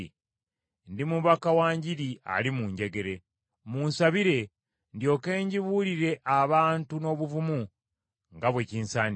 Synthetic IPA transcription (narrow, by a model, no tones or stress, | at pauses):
ndimuβakawaːɲɟiɾia̰limuːɲɟe̞ɡe̞ɾe̞ | muːnsaβiɾe̞ | ndjo̞ke̞ːɲɟiβuliɾe̞ʔaβaːntuno̞ːβuvumu | ŋɡaβweciːnsaːn